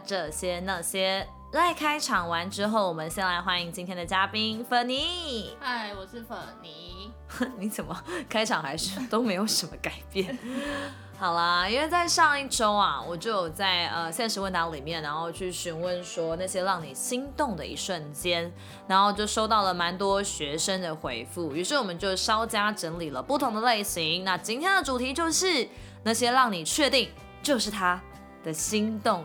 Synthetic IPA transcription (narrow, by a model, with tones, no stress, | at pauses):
ʈ͡ʂə˥˧˩ɕjɛ˥na˥˩ɕjɛ˥ | la˥˧˩ɪkʰa˥ɪʈ͡ʂʰɑ˨˩ŋwa˧˥nʈ͡ʂɻ̩˥xo˥˩ʊwɔ˨˩mə˦nɕjɛ˥˧˩nla˧˥ɪxwa˥ni˧˥ŋt͡ɕi˥nt̪ʰjɛ˥nd̪ə˨˩t͡ɕja˥pi˥nfə˨˥˩ni˧˥a˥˩ɪwɔ˨˩ʂɻ̩˥˩fə˨˩ni˧˩˥ | ni˧˥t͡sə˨˩nmə˩kʰa˥ɪʈ͡ʂʰɑ˨˩ŋxa˧˥ɪʂɻ̩˥˩t̪o˥ʊme˧˥ɪjo˨˧˩ʊʂə˧˥nmə˧ka˨˩ɪpjɛ˥˩n | xɑ˨˩ʊlə˦i˥ŋwe˥˧ɪt͡sa˥˧ɪʂɑ˥˧ŋi˥˩ʈ͡ʂo˥ʊa̰˨wɔ˨˩t͡ɕjo˥˩˧ʊ˨˩t͡sa˥˩ɪə˧ɕjɛ˥˩nʂɻ̩˧˥wə˥˧˩nt̪ɑ˧˥ŋli˨˩mjɛ˥˩na˧˦nxo˥˧ʊt͡ɕʰy˥˩ɕy˧˥nwə˥˧nʂwɔ˥na˥˩ɕjɛ˥ɻɑ˥˩ŋnḭ˨˩ɕi˥ŋt̪ʊ˥˩ŋd̪ə˩ḭ˧˥ʂə˥˨˩nt͡ɕjɛ˥n | na˧˦nxo˥˩wt͡ɕjo˥˩ʊʂo˥ʊt̪ɑ˥˩ʊlə˩ma˧˥nt̪wɔ˥ɕɥɛ˧˥ʂə˥ŋd̪ə˨xwe˧˥ɪfu˥˩y˧˥ʂɻ̩˥˩wɔ˨mə˦nt͡ɕjo˥˩ʊʂɑ˥ʊt͡ɕja˥ʈ͡ʂə˧˥ŋli˨˩lə˦pu˥˩t̪ʰʊ˧˥ŋd̪ə˧le˥˩ɪɕi˧˦ŋna˥˧t͡ɕi˥nt̪ʰjɛ˥nd̪ə˨ʈ͡ʂu˨˩t̪ʰi˧˥t͡ɕjo˥˧ʊʂɻ̩˥˩ | na˥˩ɕjɛ˥ɻɑ˥˩ŋni˨˩t͡ɕʰɥɛ˥˧t̪i˥˩ŋ | t͡ɕjo˥˧ʊʂɻ̩˥˩t̪ʰa˥ | d̪̥ə˨ɕi˥ŋt̪ʊ˥˩ŋ